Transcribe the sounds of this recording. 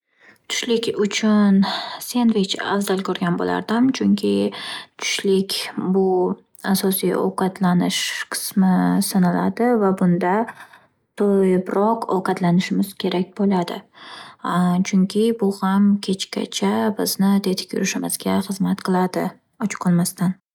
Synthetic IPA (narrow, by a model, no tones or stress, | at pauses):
t̪ʰʊ̥ʃlɪkʲʊt͡ʃʰʊnsenvɪt͡ʃa̰vd̪alkʲʰɵɾɡʲanbo̰la̰ɾd̪ɪmt͡ʃʰʊŋkʲʰɪt̪ʰʊ̥ʃlɪkʲbʊ | asɒsijo̰wqʰɑt̪ʰlanɪʃqʰɨ̥smɪsɨnala̰d̪ɪvabʊnd̪a | t̪ʰojbɾɒqʰowqɑt̪lanɪʃɪmɪz̥kʲʰe̞ɾʔak̚ʲbolad̪ɪ̰ | t͡ʃʰʊŋkʲʰɪbʊhamkʲʰe̞t͡ʃkʲa̰t͡ʃʰabɪznɪd̪e̞t̪ʰɪ̥kʲʰjʊ̰ɾɪʃɪmɪzɡʲaχɨzmat̪qʰɨlˠad̪ɪ | ɒt͡ʃʰqʰɒlˠmast̪an